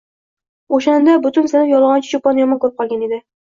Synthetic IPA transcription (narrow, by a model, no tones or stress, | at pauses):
oʃand̪abʊt̪ʰʊnsɪnɪjɒlˠʁɒnt͡ʃʰɪ̥ʃopɒnjɒmɒnkʰɵɾɪp̚qʰɒlˠɡʲane̞d̪ɪ